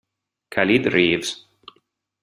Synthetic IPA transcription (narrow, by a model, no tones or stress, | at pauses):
kʰalid̪ɹivz̥